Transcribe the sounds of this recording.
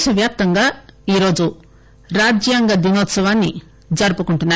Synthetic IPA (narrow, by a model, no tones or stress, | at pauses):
sɐʋjap̚t̪ɐŋɡaiɾod͡ʒu | ɾad͡ʒjaŋɡɐd̪inot̪sɐʋanːi | d͡ʒɐɾpɐkuɳʈuna